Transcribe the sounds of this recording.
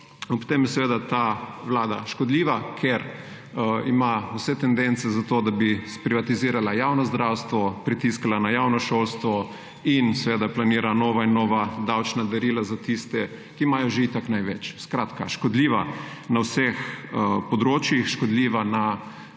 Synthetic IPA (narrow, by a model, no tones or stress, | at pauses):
pt̪emjɛsɛʋeːd̪at̪aʋlaːd̪aʃkɔd̪liːʋakʰɛɾ | imausɛt̪ɛnd̪ent̪sɛzat̪od̪abispɾiʋat̪iziːɾalajaːwnɔzd̪ɾawst̪ʋɔpɾit̪iskalanajawnɔʃoːlst̪ʋɔ | insɛʋeːd̪aplaniːɾanoːʋainːoːʋad̪awt͡ʃnad̪ɛɾiːlazat̪ist̪ɛ | kimajɔʒeit̪aknajʋɛt͡ʃskɾaːt̪ka̰ʃkɔd̪liːʋanawsexpɔd̪ɾoːt͡ʃjixʃkɔd̪liːʋana